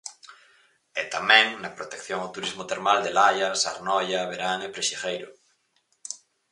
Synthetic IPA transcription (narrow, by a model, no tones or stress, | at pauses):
et̪amɛ̃ŋnapɾot̪ekθjoŋawt̪uɾizmot̪eɾmald̪elajasa̰ɾnɔjaβeɾaŋepɾeʃixejɾʊ̰